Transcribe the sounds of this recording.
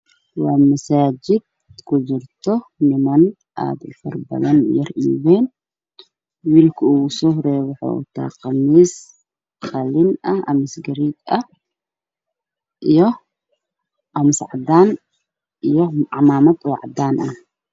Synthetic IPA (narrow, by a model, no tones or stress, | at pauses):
wɑːmɐsaːd͡ʒɪd̪̚ | kʰʊd͡ʒɪrt̪ʰɔnɪmɐn | ʔa̰ːd̪ʊfɐrbɐ̰ðɐnjɐrʔḭːβɛːn | wiːlkʰʊuːɣʊsɔhɾɛwʊħo̰ːʊ̰t̪ʰa̰ːqɐmiːs | qɐlɪnʔɐhʔɐ̰mɪsɡɐɾiːd̪ɐh | ʔijɔ | ʔɐmɪsʕɑd̪aːn | ʔijɔʕɑmaːmɐd̪ʕɑ̰d̪aːnʔɐh